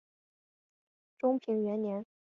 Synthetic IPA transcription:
ʈ͡ʂʊ˥ŋpʰi˧˥ŋɥɛ˧˥nnjɛ˧˥n

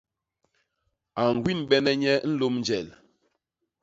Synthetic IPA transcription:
a˨ŋ˨ɡwi˦nɓɛ˦nɛ˦ɲɛ˦n̩˦lo˦mn˦d͡ʒɛ˨l

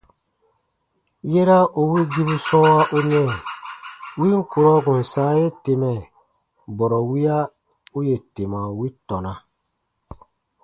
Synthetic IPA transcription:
je˦ɾa˦u˨wi˦ɡi˦bu˦sɔ̃˦wa˦ʔu˦nɛ˦˨ | wi˦ŋ̩˦ku˨ɾɔ˦ɡũ˨n˨saː˦je˦te˨mɛ˨ | bɔ˨ɾɔ˨wi˦a˦ | u˦je˨te˨ma˨wi˦tɔ˨na˨

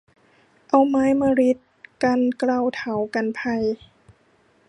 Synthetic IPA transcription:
ʔa˧wmaː˧˥jmaː˧ɾi˦˥t̪̚ka˧nkla˧˩wt̪ʰa˨˦wka˧npʰa˧˩j

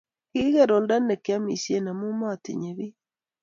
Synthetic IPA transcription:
ki˦ɣe˦ɾo˨lda˦ne˨kja˦mḭ˨sje˦na˨mu˦mɔ˦a˨tḭ˨ɲe˨βi˦

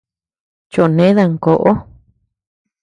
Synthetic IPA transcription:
t͡ʃo˨ʔnẽ˨˦ða˧ŋko˨ʔo˦

